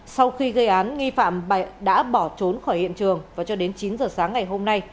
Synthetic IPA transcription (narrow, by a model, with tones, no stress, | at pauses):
sa˧wxi˧ɣə˧jʔaː˨˦nŋi˧fa̰ː˧˨mɓa˨˩ɗa̰ː˧˥ɓɔ˧˩t͡ɕo˨˦nxɔː˧˩jhḭ˧˨ənt͡ɕɨ˨˩əŋvaː˨˩t͡ɕɔ˧ɗe˨˦nt͡ɕi˨˦nzəː˨˩saː˨˦ŋːa˨˩jɦo˧mna˧j